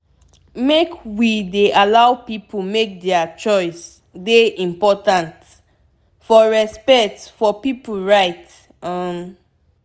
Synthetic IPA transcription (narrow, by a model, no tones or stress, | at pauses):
mekwideʔalawpipumek̚dɛat͡ʃɔɪs | deʔĩmpɔtãnt | fɔɹɛspɛk̚tfɔpip̩ɹaɪt | ʌm